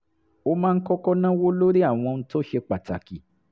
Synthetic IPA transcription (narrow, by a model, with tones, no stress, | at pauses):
o˧mãː˦˧n̩˦kɔ˦kɔ˦nã˦wo˦lo˦ɾi˦a˦˨w̃ɔ̃˧ñ̩˧˦to˦ʃe˧k͡pa˨ta̰˨ki˨